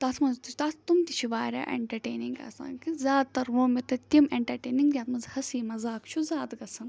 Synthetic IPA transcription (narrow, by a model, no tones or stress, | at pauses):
t̪ɐːt̪ʰmɐnzt̪it͡ʃt̪at̪ʰt̪umt̪it͡ʃʰiʋaːɾʲa̰ːʔḛɳʈɐɾʈeːniŋɡa̰ːsa̰ːnkizʲaːd̪̚t̪ɐɾʋoːmit̪ɐt̪ʲimeɳʈɐɾʈeːniŋɡd̪jaːt̪mɐnzhɐsiːmɐzaːkt͡ʃʰuzʲaːd̪ɡɐsʰɐn